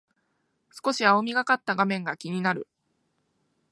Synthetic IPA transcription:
sɨ̥ko̞ɕiaomʲiɡakat̪ːaɡamẽ̞ŋɡakʲiɲ̟inaɾɯ̟

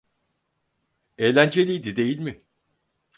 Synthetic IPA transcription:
eːlʲænd͡ʒe̞lʲijd̪id̪e̞jilʲmɪ

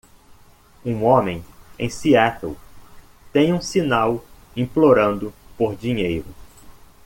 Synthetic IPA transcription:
ũõmẽj̃ḛ̃j̃siɛt̪ew | t̪ẽj̃ũsinaw | ĩploɾɐ̃nd̪ʊpoɾd͡ʒĩɲejɾʊ

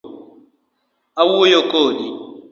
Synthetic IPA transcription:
awuojokodi

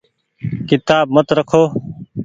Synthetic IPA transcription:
kɪt̪aːbmət̪ɾəkʰoː

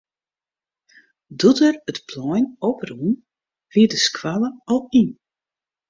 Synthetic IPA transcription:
dutərətpʰlɔjnɔpərun | ʋiədəskʰwaləɔlˠin

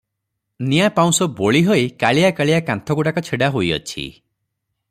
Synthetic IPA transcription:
niapaw̃sɔboɭiɦojkaɭijakaɭijakant̪ʰɔɡuɽakɔt͡ʃʰeɽaɦojɔ̰t͡ʃʰḭ

